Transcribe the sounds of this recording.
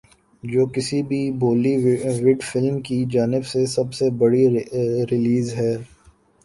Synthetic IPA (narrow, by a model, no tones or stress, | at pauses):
d͡ʒoːkɪsibʱiboːliʋɪɖfɪlmkid͡ʒaːnɪbsesɐbsebɐɽiɾɪliːzɦɛː